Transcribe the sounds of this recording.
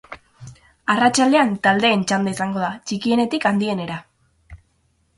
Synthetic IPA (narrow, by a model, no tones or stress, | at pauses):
arat͡ʃald̪e̞ant̪ald̪e̞ːnt͡ʃand̪aisaŋɡo̞ð̞at͡ʃikie̞ne̞t̪ikand̪ie̞ne̞ɾa